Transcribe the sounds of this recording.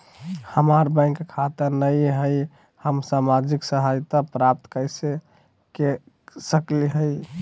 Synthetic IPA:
həmaɾbə̃ɪ̃kkʰːat̪əɾnəjɦəj | həmsamad͡ʒiksəɦajt̪apɾap̚t̪kəɪse | ke | səkliɦəj

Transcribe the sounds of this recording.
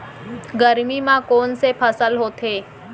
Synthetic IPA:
ɡəɾmimãkoːnsepʰəsəlɦoːt̪ʰeː

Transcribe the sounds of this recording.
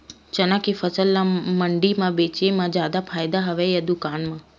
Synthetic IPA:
t͡ʃənãkifəsəlːaməɳɖimãʋet͡ʃemãd͡ʒjaːd̪apʰaːjd̪aɦəʋejad̪ʊkaːnmã

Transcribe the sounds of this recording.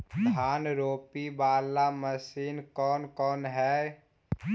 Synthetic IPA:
d̪ʱaːnɾoːpibaːlːaməsiːnkɔːnkɔːnɦɛː

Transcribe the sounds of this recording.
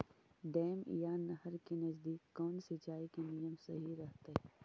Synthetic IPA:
ɖɛːmḭjaːnːɐɦəɾkinɐzd̪iːkːɔːnsɪt͡ʃaːikenijəmsɐɦiɾɐɦt̪eɦɛː

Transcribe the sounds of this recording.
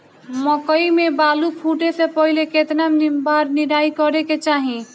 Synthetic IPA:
məkəimebalupʰuʈesepəɦileket̪nəmnimbaɾniɾaikəɾeket͡ʃaɦĩ

